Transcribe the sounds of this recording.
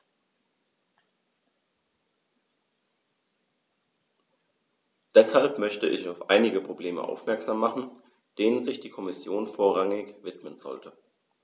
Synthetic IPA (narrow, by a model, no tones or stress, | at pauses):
d̥ɛshalpmœçtəʔɪ̰çaʊfʔa̰ɪnɪɡəpʁ̥obleːmə̰ʔa̰ʊfmɛɐkz̥aːmːaχn̩ | d̥eːnənzɪçd̥iːkʰɔmɪsjoːnfoːɐʁaŋɪçvɪtmənzɔ̰ltə